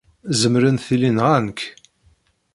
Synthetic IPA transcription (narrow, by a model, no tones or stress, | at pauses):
zəmɾənθilinʁænk